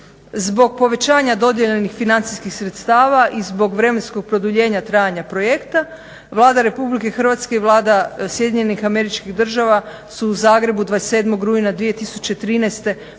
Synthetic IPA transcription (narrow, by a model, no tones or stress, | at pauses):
zbo̞ɡ̚po̞ʋe̞t͡ɕaːɲad̪o̞d̪jeʎenixfinant̪si̥skixsɾet̪st̪aːʋaʔizbo̞ɡʋɾe̞me̞nsko̞ɡ̚pɾod̪uʎe̞ːɲat̪ɾaːjaɲapɾo̞je̞kt̪a | ʋlˠaːd̪aɾe̞publike̞xr̩ʋat̪ske̞iʋlˠaːd̪asje̞d̪ʲiɲenixame̞ɾit͡ʃkiɣd̪r̩ʒaʋa | suːzaːɡɾe̞bud̪ʋaese̞ːd̪mo̞ɡɾuinad̪ʋije̞t̪isu̥t͡ɕet̪ɾiːnɛjst̪e̞